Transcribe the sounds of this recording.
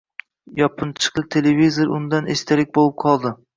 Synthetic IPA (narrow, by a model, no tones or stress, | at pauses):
jɒpʰɨnt͡ʃʰɨ̥qlˠɪt̪ʰelevizoɾʊnd̪anest̪ʰaɾɪk̚ʲbolˠɪp̚qʰɒlˠd̪ɪ